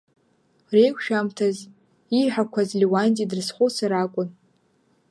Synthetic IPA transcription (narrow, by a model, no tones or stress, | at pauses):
rejkʷʰʃᶣamtʰaz | iħʷᶣakʷʰazliwantʼidɨrsχʷʊsaɾakʷʼʊn